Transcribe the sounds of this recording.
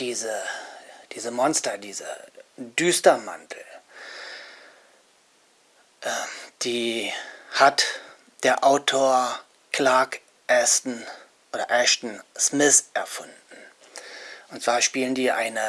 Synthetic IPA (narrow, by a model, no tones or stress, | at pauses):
d̥iːzə | d̥iːzəmɔnstɐdiːzə̰dyːstɐma̰ntʰl̩ | ʔɛd̥iː | hat | d̥eːɐʔaʊtʰoːɐ | kʰlaːk | ʔɛstn̩ | ʔoːɾɐʔɛʃtn̩smɪθʔɛɐfʊndn̩ | ʔʊntsv̥aːɐʃpiːləndiːʔa̰ɪnə